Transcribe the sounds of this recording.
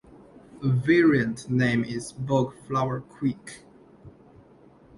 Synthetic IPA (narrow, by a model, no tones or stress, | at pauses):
əvɛɹiə̃ntnẽɪ̃mɪzbɔɡflawə˞kʰw̥ik